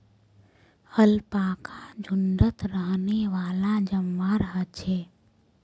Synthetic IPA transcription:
həlpaːkʰad͡ʒʱʊnɖət̪ɾəɦneʋaːlad͡ʒəmʋaɾəɦətt͡ʃʰeː

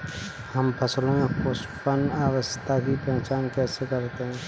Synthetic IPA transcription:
hɐmpʰəslõmẽposʈpənaːwəst̪ʰakipɛ̃ɦt͡ʃaːnkɛːsekɐɾt̪eɦɛ̃ː

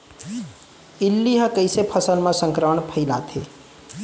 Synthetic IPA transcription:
ilːiɦə̃kəɪsepʰəsəlmẽsə̃ŋkɾəməɳpʰəɪlat̪ʰḛ

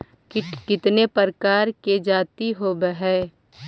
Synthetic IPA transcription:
kɪkɪt̪nepəɾkaːɾked͡ʒaːt̪iɦoːbəɦɛː

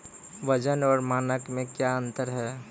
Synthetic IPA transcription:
ʋəd͡ʒənɔːɾmaːnəkmẽkjaə̃nt̪əɾɦɛː

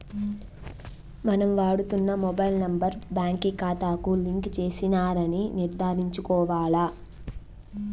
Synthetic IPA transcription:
mɐnɐmʋaːɽut̪unːɐmɔbɐjlnɐmbɐɾbjaːŋkikaːt̪aːkuliŋkt͡ʃeːsinaːɾɐniniɾd̪ʱaːɾiɲt͡ʃukɔːʋaːɭaː

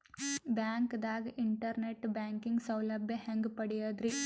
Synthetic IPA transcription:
bjaːŋkd̪aːɡɐʔiɳʈɐɾneʈbjaːŋkiŋɡsɐwlɐbʱjɐheŋɡpɐɽijɐd̪ɾi

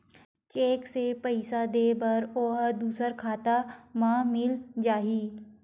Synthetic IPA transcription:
t͡ʃeːksepəɪsad̪eːbɐɾoːɦd̪uːsəɾkʰaːt̪amãːmɪld͡ʒaːɦiː

